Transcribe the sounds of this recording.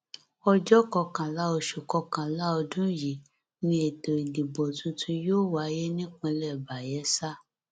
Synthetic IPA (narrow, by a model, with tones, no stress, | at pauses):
ɔ˧d͡ʒɔ˦kɔ˧kã˨la˦o˧ʃu˨kɔ˧kã˨la˦ɔ˧dũ˦ji˨ | nĩ˧e˨to˨i˨li˨bɔ˨tũ˧tʰũ˧joː˦˨wa˨˦jɛ˦nĩ˦kũ˧lɛ˦˨ba˨jɛ˨˦sa˦